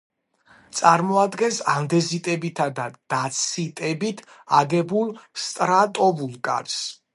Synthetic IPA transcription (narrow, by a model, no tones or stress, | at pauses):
t̪sʼaɾmɔad̪ɡɛnsand̪ɛzit̪ʼɛbit̪ʰad̪ad̪̥at̪sʰit̪ʼɛbit̪ʰ | aɡɛbulˠst̪ʼɾat̪ʼɔvulˠkʼa̰ɾs